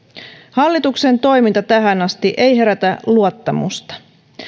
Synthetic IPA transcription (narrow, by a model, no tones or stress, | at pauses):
hɑlːit̪ukse̞nt̪o̞jmint̪ɑt̪æɦænɑst̪iʔe̞jɦe̞ɾæt̪æluot̪ːɑmṵst̪ɑ̥